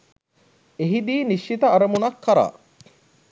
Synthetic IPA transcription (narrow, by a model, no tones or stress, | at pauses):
eɦid̪iːniʃːit̪ɐɐɾəmunɐkːɐɾa̰ː